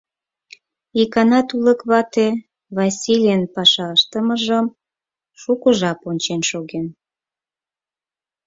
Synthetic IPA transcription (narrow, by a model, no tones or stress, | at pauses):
ikɑnɑt̪uləkβɑt̪e | βɑsʲilʲjənpɑʃɑəʃt̪əməʒəm | ʃukəʒɑponʲt͡ɕenʃoɣen